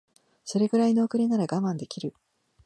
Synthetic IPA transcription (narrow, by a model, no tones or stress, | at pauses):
so̞ɾe̞ɡɯ̟ɾainoːkɯ̟ɾenaɾaɡamãnd̪e̞kʲiɾɯ̟